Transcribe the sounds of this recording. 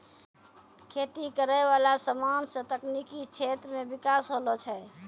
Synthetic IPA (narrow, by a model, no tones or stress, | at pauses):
kʰet̪ikəɾəjʋalasəmansə̃t̪əknikit͡ʃʰet̪ɾəmebikasɦolɔt͡ʃʰɛ